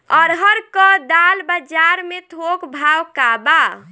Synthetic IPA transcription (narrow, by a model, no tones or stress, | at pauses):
ɔɾɦəɾkəd̪albəd͡ʒaɾmet̪ʰokbʱawkaba